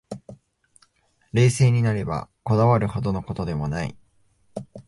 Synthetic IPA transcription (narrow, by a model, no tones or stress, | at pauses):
ɾe̞ːse̞ːɲ̟inaɾe̞ba̰ko̞d̪aβaɾɯ̟ho̞d̪o̞no̞ko̞t̪o̞d̪e̞mo̞naḭ